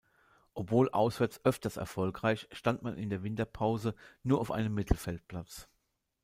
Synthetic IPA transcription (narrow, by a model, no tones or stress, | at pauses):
ʔɔpv̥oːlʔa̰ʊsv̥ɛɐt͡sʔœftɐstɛ̰ɐfɔlkʁ̥aɪçʃtantmanʔɪ̰ndeːɐvɪntɐpʰaʊzənuːɐʔaʊfʔa̰ɪnəmːɪtʰl̩fɛlt̚pl̥at͡s